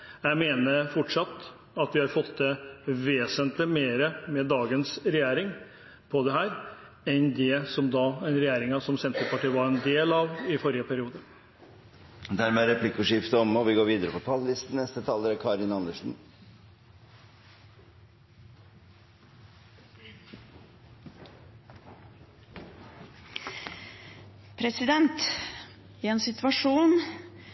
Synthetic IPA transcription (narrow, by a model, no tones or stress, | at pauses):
jæɪmeːnəɾfɔʈʂɑt̪ː | ɑt̪ʋɪhɑɾfɔt̪d̪ɛʋeːsənt̪ləmeːɾəmɛd̪ɑːɡənsɾɛjeːɾɪŋ | pʰɔd̪ɛɦæːɾ | ɛnd̪ɛsɔmd̪ɑːɛnɾɛjæːɾɪŋɑsɔmsɛnt̪ɾəpɑʈiːʋɑɾɛnd̪eːlɑʋɪfɔɾɪjəpʰæɾɪuːd̪ə | d̪æɾmɛæɾɛpʰlɪkːʉʂɪft̪əɔmɔʋɪɡoːɾʋiːd̪əɾəpʰɔp̪ʰɑllɪst̪n̩nɛst̪ət̪ʰɑːləɾæɾkʰɑːɾɪnɑnd̪əʂn̩ | pʰɾɛsɪd̪ɛnt̪ | ɪɛnsɪt̪ʋɑʂuːn